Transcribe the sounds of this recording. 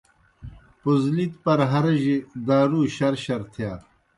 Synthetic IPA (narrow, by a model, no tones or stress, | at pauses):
puzlit̪pɐɾɦɐɾʑid̪aːɾuːɕɐɾɕɐɾt̪ʰjaː